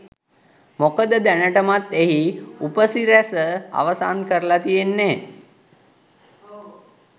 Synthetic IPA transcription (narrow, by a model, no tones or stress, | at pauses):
mokəd̪əd̪ænəʈəmat̪eɦiupəsiɾæsəa̰ʋəsa̰ːnkəɾəlat̪ijenːe